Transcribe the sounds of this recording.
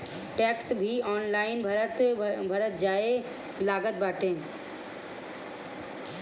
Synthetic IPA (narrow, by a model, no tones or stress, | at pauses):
ʈɛːksbʱiɔːnlaːɪnbʱət̪bʱəɾət̪̚d͡ʒaːe | laːɡət̪̚baːʈẽː